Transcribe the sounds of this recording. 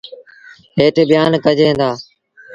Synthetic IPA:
ɦeːʈʰeɓɪjaːnkəd͡ʒʱẽːnd̪aː

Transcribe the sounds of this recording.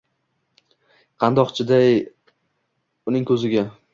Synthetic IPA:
qʰɑnd̪ɒqt͡ʃʰɪd̪aj | ʊnɪŋkʰɵzɪɡʲa

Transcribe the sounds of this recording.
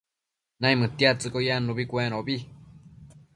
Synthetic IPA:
nãĩmɨ̃t̪iat͡sɨkojanũβikʷẽɾ̃õβi

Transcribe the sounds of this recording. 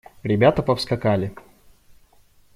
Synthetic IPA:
ɾʲɪbʲat̪əpəfskɐkalʲɪ

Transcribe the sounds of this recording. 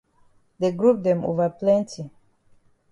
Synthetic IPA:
d̪eɡɹup̚d̪ɛ̃mo̰vaplɛ̃ntʰi

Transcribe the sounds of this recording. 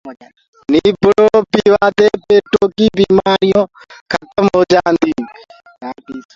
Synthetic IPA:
niːbɽoːpiːʋaːd̪eːpeːʈoːkiːbiːmaːɾɪjõː | kʰət̪əmɦoːd͡ʒaːnd̪iː

